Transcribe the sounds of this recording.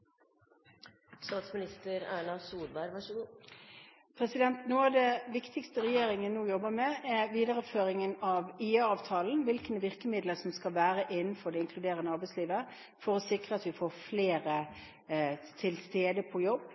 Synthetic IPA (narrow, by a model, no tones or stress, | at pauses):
st̪ɑːt̪smɪnɪst̪əɾæːɳɑsuːd̪bæɾʋɑʂəɡuː | pʰɾɛsɪd̪ɛnt̪nuːɑʋd̪ɛʋɪkt̪ɪkst̪əɾɛjeːɾɪŋənuːjɔbːəmɛɛɾʋiːd̪ɑɾəføːɾɪŋənɑʋiɑːʋt̪ʰɑːln̩ʋɪlknəʋɪʁkəmɪd̪ləsɔmskɑlʋæːɾəʔɪnn̩fɔɾd̪ɛɪŋkʰlʉd̪eːɾənəɑɾbɛɪsliːʋə | fɔɾɔsɪkɾəɑt̪ʋɪfoːɾfleːɾə | t̪ʰɪlst̪eːd̪əpʰɔjɔbː